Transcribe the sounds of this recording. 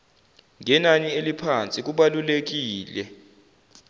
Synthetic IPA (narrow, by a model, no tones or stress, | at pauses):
ŋɛnanielipʰant͡sʼik̬uɓalulek̬iːlɛ